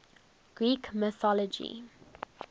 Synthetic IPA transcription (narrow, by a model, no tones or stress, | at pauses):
ɡ̥ɹiːkməθɔləd͡ʒḭ